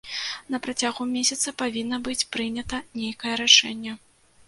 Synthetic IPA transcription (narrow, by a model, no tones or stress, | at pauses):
nɐpɾat͡sʲaɣumʲesʲɐt̪sɐpavʲinːɐbɨt͡sʲpɾɨnʲɐt̪ɐnʲejkɐjɛɾaʂɛnʲːɛ